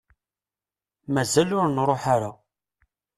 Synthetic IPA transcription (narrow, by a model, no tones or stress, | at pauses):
mæzælʊɾnɾˤoħaɾa